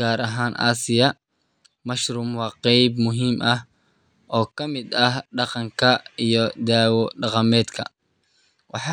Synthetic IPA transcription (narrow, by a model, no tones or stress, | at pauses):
aːɾɐɦaːnʔa̰ːsɪjɐ | mɐʃrʊːmwɑːqɛjbmʊɦiːmʔɐh | ʔɔːkʰɐmɪd̪ɐhɖɑqɑŋkʰɐijɔd̪aːwɔɖɑqɑmɛːd̪kʰɐ̰ | wɑħɑ